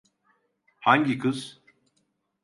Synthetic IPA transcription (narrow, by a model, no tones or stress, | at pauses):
haŋɡikɯs